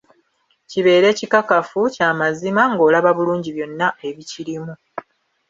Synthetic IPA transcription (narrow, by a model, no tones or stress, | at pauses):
ciβe̞ːɾe̞ːcikakafucaːmazimaŋɡo̞ːlaβaβuluːɲɟiβjo̞nːae̞βiciɾimu